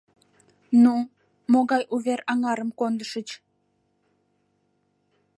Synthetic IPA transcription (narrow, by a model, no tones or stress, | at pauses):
nu | moɣɑjʔuβeɾɑŋɑɾəmkond̪əʃət͡ɕ